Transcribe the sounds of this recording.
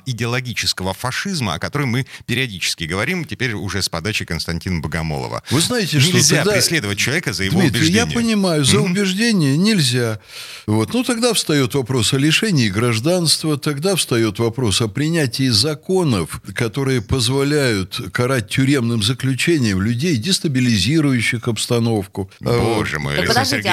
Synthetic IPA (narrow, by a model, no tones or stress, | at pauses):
ɪdʲɪɐlˠɐɡʲit͡ɕɪskəvəfɐʂɨzməɐ̰kɐt̪o̞ɾəjmɨpʲɪɾʲɪɐdʲit͡ɕɪ̥skʲɪɡəvɐɾʲimtʲɪpʲeɾʲʊ̰ʐɛspɐd̪at͡ɕɪkənst̪ɐnʲtʲinəbəɡɐ̰mo̰lˠə̰və̰vɨznajɪtʲɪʂt̪ʲzʲad̪paɾɪsʲlʲed̪əvət̚ʲt͡ɕːɪlˠɐvʲekəzəjdjd̪mʲit̪ɪɪjjʲjapənʲɪmajʊzəʊbʲɪʐdʲenʲɪjənʲɪlʲzʲa | vo̞t̪nut̪ɐɡd̪afst̪ɐjo̞t̪vɐpɾo̞sɐlʲɪʂɛnʲɪːɡɾɐʐd̪anst̪vət̪ɐɡd̪afst̪ɐjo̞t̪vɐpɾo̞sɐpɾʲɪnʲætʲɪːzɐko̞nəfkɐt̪o̞ɾɨjəpəzvɐlʲæjʊt̪kɐɾat̚ʲtʲːʊɾʲe̞mnɨmzəklʲʉt͡ɕenʲɪjəmlʲʊdʲejdʲɪst̪əbʲɪlʲɪzʲiɾʊjʉɕːɪxɐpst̪ɐno̞fkʊoʐɨ̰mɨ̰d̪ɐsɪ